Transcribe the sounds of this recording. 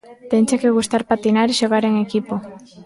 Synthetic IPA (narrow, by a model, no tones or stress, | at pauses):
t̪ent͡ʃakeɣust̪aɾpat̪inaɾiʃoɣaɾeŋekipo